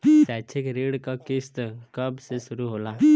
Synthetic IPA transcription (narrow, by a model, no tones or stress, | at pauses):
sɛːt͡ʃʰekɾeːɽkakɪst̪kəbsesʊɾuɦoːlaː